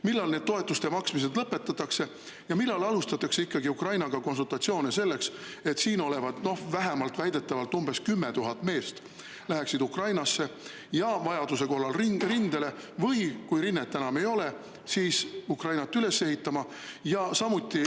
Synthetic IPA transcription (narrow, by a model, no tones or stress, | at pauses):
milːɑlne̞ːd̪̚t̪o̞e̞t̪ːˑust̪eɑmɑksmis̬e̞d̪lɤpːe̞pt̪ːɑt̪ːˑɑkse̞ | jɑmilːɑlɑlust̪ɑt̪ːˑɑkseikːɑɡiukrɑjnɑɡ̥ɑko̞nsult̪ɑt̪sio̞ːnese̞lːeks | e̞t̪siːno̞le̞vɑd̪̥no̞hvæɦæmɑlt̪ˑvæjd̪̥e̞t̪ːˑɑvɑlt̪umbe̞skymːe̞t̪uɦɑt̪ːˑme̞ːst̪ | læɦeksid̪ukrɑjnɑsːe̞ | jɑvɑjɑd̪use̞ko̞ɦlɑlrirind̪e̞le̞vɤjkujɾinːet̪t̪ːænɑme̞jo̞le̞ | siːsukrɑjnɑt̪ːˑyle̞se̞hit̪ːˑɑmɑ | jɑsɑmut̪ːˑi